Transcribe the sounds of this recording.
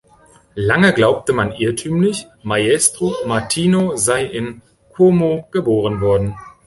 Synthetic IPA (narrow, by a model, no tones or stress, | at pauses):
laŋəɡlaʊp̚təmanʔɪɐtʰyːmlɪç | majɛstʁ̥omaɐtʰiːnozaɪʔɪn | kʰomoɡ̥əboːʁ̞ənvɔɐdn̩